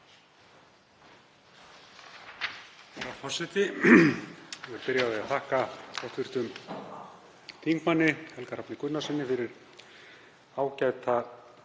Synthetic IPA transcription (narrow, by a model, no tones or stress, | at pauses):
ɛɾaɾfɔrsɪt̪ɪ | vʏɾpɪɾjaðɪaθʰahkakʰɔht̪ʰvɪɾ̥t̪ʏm | t̪ʰiŋkmanːɪhɛlkaɾapnɪkʰʏnːasɪnːɪfɪɾɪɾ | aːwcaːjt̪a